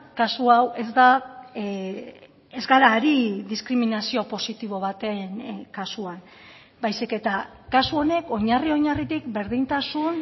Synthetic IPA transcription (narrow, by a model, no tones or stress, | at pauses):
kasuawe̞zd̪a | ezɡaɾaːɾiðiskɾiminasio̞po̞sit̪iβ̞o̞β̞at̪e̞ŋkasuan | bajsike̞t̪akasuo̞ne̞ko̞ɲario̞ɲarit̪ikbe̞ɾðint̪asun